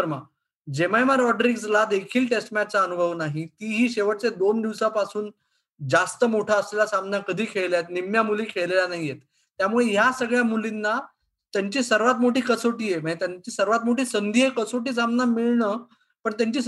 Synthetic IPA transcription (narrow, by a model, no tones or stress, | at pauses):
əɾma | d͡ʑemajmaɾɔɖɾikslad̪ekʰiːlʈesʈmaʈ̚t͡saənubʱəʋnaɦit̪iːɦiːɕeʋəʈ̚t͡sed̪ond̪iʋsapasuːn | d͡zast̪əmoʈʰaəslelasamnakəd̪ʱiːkʰeɭljajet̪nimjamuliːkʰeɭleljanaɦijet̪ː | jamuɭejasəɡɭjamulinːa | t̪jaɲt͡ɕiːsəɾʋat̪̬moʈiːkət͡soʈiːjeməet̪jaɲt͡ɕiːsəɾʋat̪moʈiːsənd̪ʱiɦekət͡soʈiːs̬amnamiɭɳəː | pəɳt̪jaɲt͡ɕiː